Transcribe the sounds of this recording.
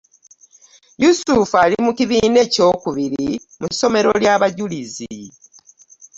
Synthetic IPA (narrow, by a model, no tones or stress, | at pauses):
jusufalimuciβiːne̞co̞ːkuβiɾi | muso̞me̞ɾo̞ljaːβaɟulizi